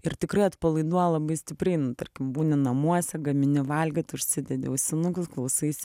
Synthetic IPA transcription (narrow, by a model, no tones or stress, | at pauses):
ɪɾt̪ʲɪkɾɐɪɐt̪pɐlˠɐɪd̪uɔjɛlˠɐbɐɪsʲt̪ʲɪpʲɾʲɛɪnʊt̪ɐrʲkʲɪmbuːnʲɪnɐmuɔsʲɛɡɐmʲɪnʲɪʋɐlʲɡʲɛt̪ʲʊʃʲsʲɪd̪ʲɛd̪ʲɪ̰ʊsʲɪnʊkʊsklˠɐʊsɐɪsʲ